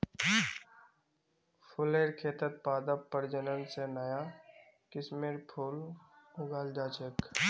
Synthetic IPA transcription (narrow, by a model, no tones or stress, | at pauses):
pʰʊleːɾkʰeːt̪ət̪̚paːd̪əpːəɾd͡ʒənənsenəja | kɪsmeːɾpʰʊlʊɡaːld͡ʒaːt͡ʃək